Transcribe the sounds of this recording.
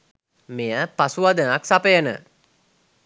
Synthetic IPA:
mejəpasuʋad̪ənaksapəjənə̰

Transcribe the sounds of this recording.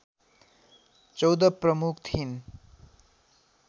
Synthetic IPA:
t͡sʌwd̪ʌprʌmukʰt̪ʰin

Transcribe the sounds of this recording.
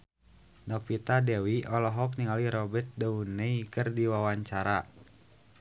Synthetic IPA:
nɔpit̪adɛwiʔɔlɔɦɔk̚niŋaliɾɔbɛt̪̚dauneikərdiwawaɲt͡ʃaɾa

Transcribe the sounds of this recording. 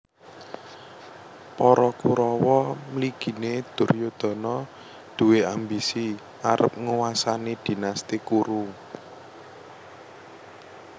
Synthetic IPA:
pɔɾɔkuɾɔwɔmliɡ̥i̤ned̪̥ʊ̤rjod̪̥ɔ̤nɔ | d̪̥ṳweambisi | aɾəp̚ŋuwasanid̪̥i̤nast̪ikuɾu

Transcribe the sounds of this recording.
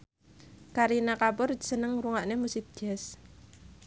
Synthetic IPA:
kaɾinakapʊrsənəŋɾuŋaʔnemusɪp̚d̥ɛs

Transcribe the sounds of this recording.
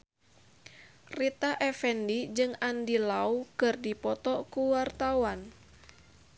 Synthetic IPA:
rit̪aʔɛfɛndid͡ʒɨŋandilaukɨrdipɔt̪ɔkuwart̪awan

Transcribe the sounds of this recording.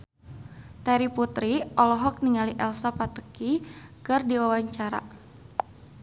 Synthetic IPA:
t̪aɾiput̪ɾiʔɔlɔɦɔk̚niŋaliʔɛlsapat̪ə̥kikərdiwawaɲt͡ʃaɾa̰

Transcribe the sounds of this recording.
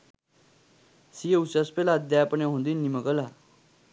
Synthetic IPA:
sijeusaspelad̪jajapəneɦõnd̪iːnːiməɡəla

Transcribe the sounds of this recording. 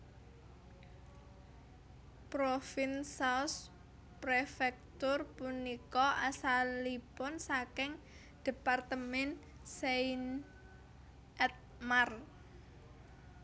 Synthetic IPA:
pɾofinsas | pɾefɛk̚t̪ʊrpunikɔasalipɔnsakɪŋ | d̪̥e̤part̪əmɛn | sein | ɛt̪̚mar

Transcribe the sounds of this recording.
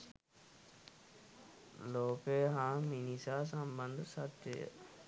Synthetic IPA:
loːkeːɦãːminiːsaːsãːbə̃nd̪sat̪ḛː

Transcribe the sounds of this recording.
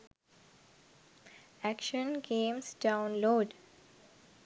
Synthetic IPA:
ækʃə̃nɡẽːmsɖãʊ̃nloːɖ

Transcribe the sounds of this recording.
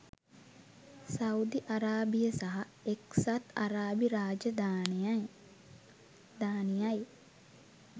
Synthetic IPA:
saud̪iʔaɾaːbijəsaɦaeksat̪aɾaːbiɾaːd͡ʒɐd̪an | d̪aːnijaj

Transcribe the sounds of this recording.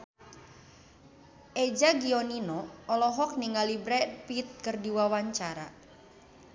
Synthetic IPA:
ʔed͡ʒaɡiɔninɔɔlɔɦɔk̚niŋɡalibɾɛpit̪̚kɨrdiwawaɲt͡ʃaɾa̰

